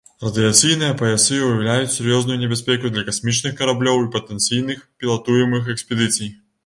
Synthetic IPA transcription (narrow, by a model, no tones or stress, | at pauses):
rɐd̪ɨjat̪sɨjn̪ɨjɐpɐɛsɨujawlʲajut͡sʲsʲɛɾjɔznujunʲɛbʲasʲpʲɛkud̪lʲɐkasʲmʲit͡ʂnɨxkɐɾablʲɔwipɐt̪ɛnt̪sijnɨxpʲilˠat̪ujɛmɨxɛksʲpʲɛd̪ɨt̪sʲɨj